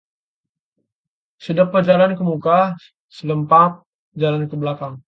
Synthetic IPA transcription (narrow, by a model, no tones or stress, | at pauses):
sədəpəd͡ʒalankəmuka | sələmpat̪̚ | d͡ʒalankəblakaŋ